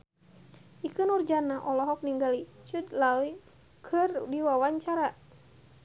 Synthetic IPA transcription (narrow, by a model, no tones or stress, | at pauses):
ʔikɨnurd͡ʒanaʔɔlɔɦɔk̚niŋɡalit͡ʃut̪laui | kʰɨrdiwawaɲt͡ʃaɾa